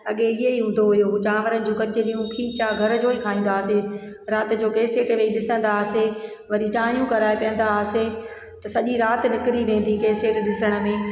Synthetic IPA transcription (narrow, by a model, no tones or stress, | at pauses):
ɐɠeɪɦeiɦũːnd̪oɦʊjod͡ʑãːʋəɾənɪ̆d͡ʑũːkɐt͡ɕɪɗijũkʰiːt͡ɕaɡʱɐɾəd͡ʑoːikʰaːĩːn̆d̪aːse | ɾaːt̪ɪ̆d͡ʑoːkeːseːʈʋeːiɗɪsə̃nd̪aːse | ʋɐɾit͡ɕaːɦijũkɐɾaːepijə̃n̆d̪ase | t̪ɐsɐʄiɾaːt̪ɪnɪkɪɾiʋẽːn̆d̪ikeːseːʈɗɪsəɽ̃ə̆mẽː